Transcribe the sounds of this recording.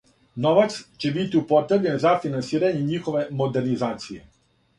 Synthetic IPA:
noʋat̪st͡ɕebit̪iupot̪ɾebʎenzafinansiːɾaɲeɲixoʋe̞mod̪eɾnizaːt̪sijḛ

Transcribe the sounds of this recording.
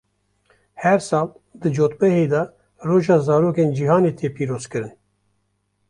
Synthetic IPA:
hɛɾsɑːl | d̪ɨd͡ʒoːt̪̚bɛhed̪ɑ | roːʒɑːzɑːɾoːkeːnd͡ʒihɑːneːt̪ʰeːpiːɾoːzkɨɾɨn

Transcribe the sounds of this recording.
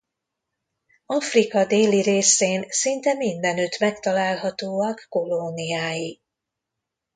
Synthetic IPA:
ɒfrikɒd̪eːliɾeːseːnsint̪ɛmind̪ɛnøt̪mɛkt̪ɒlaːlɦɒt̪oːɒkːo̞loniaːji

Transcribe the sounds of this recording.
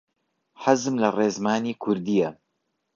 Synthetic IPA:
ħazɨmlɐreːzmaːniːkʰʊɾd̪ijɐ

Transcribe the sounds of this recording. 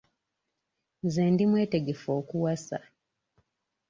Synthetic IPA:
nzɛndimwɛːtɛɡɛfɔkuwasa̰

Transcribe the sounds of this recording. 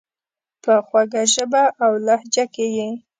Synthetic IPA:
pəxwaɡaʒəbaʔawlahd͡ʒakeje

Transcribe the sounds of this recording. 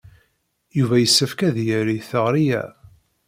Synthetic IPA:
juvæjəsːæfkæðjəɾiθəʁɾijæ̰

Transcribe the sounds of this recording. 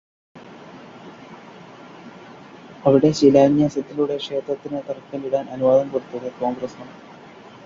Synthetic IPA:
ɐʋiɽe̞ɕilaːŋjɐsɐt̪ːiluɽe̞kʂe̞ːt̪rɐt̪ːinɨt̪ɐrkːɐliɽaːnɐnuʋaːd̪ɐmkoɽut̪ːuɣɐko̞ːŋɡrɐsmɐɳ

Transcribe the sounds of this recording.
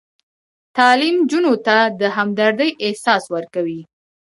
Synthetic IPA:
t̪ɑlimd͡ʒunot̪ad̪əɦamd̪aɾd̪əjɪhsɑswəɾkawi

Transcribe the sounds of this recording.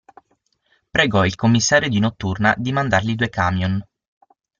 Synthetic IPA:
pɾeɡɔilkomːisːaːɾjod̪inot̪ːurnad̪imand̪arlid̪uːekaːmjon

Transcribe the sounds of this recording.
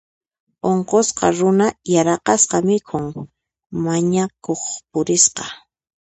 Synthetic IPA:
oɴqosqɑ̰ɾʊnajaɾɑqɑsqɑmɪkʰʊŋ | maɲakoχp̚ʊɾɪsqɑ̥

